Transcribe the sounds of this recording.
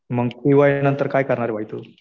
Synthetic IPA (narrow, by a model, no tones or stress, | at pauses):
məɡkiʋajnənt̪əɾkaːjkəɾɳaɾeʋaɦit̪o